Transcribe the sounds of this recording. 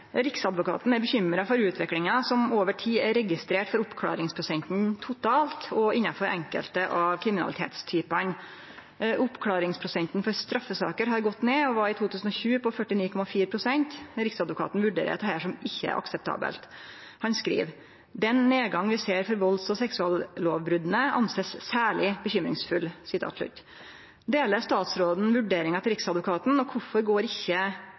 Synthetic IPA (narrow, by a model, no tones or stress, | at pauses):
ɾɪksɑd̪ʋʊkʰɑ̰ːt̪n̩æɾbəçʏmɾɑfɔɾʉːt̪ʰʋɛklɪŋɑsɔmoːʋəʈʰiːæɾɛɡɪst̪ɾeːʈfɔɾʊpːkʰlɑ̰ːɾɪŋspʰɾʊsɛnt̪nt̪ʰʊt̪ʰɑːlt̪ɔʔɪnɑfɔɾʔɛŋkə̰lt̪əʔɑʋkʰɾɪmɪnɑ̰lɪt̪ʰḛːt̪st̪ʰyːpən | ʔʊpːkʰlɑːɾɪŋspʰɾʊsɛnt̪n̩fɔɾst̪ɾɑfːəsɑ̰ːkəɾɦɑɾɡɔt̪ːneːɔʋɑɾɪt̪ʰuːt̪ʰʉːsn̩ɔçʉːpʰɔfœʈːɪniːkʰɔmɑfiːɾəpʰɾʊsɛnt̪ɾɪksɑd̪ʋʊkʰɑ̰ːt̪n̩ʋʉɖḛːɾə̰t̪hæʂɔmɪçːəæ̰ɾʔɑ̰ksəp̚t̪ʰɑ̰ːbə̰lt̪ | hɑnskɾḭːʋ | d̪ɛnneːɡɑŋʋɪseːɾfɔɾʋɔlsɔsɛksʉɑːlloːʋbɾʉd̪ən̩əʔɑ̰nseːssæːɭɪbəçʏmɾɪ̰ŋsfʉlsɪt̪ʰɑ̰ːt̪lʉ̰t̪ | d̪eːləst̪ɑːt̪sɾoːd̪n̩ʋʉɖeːɾɪŋɑt̪ʰɪɾɪksɑd̪ʋʊkʰɑːt̪nɔkʰʊfɔɾɡoːɾɪçːə